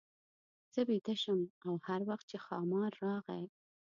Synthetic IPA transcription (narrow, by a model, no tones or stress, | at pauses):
z̥əbet̪aʃəmawhaɾwaxt̪̚t͡ʃexɑmɑɾːɑɣaj